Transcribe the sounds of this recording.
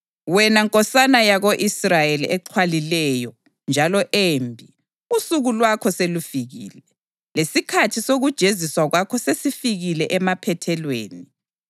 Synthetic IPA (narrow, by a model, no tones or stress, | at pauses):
wɛnaŋkʼɔsanajaɣoʔisrajeliɛǃʰwalilɛjɔ | nd͡ʒʱalɔʔembʱi | usuɣulwakʰɔselufiɣḭːlɛ | lesikʰatʰisoɣud̥ʒ̥ʱeziswaɣwakʰɔsesifiɣilɛʔɛmapʰɛtʰɛlweːni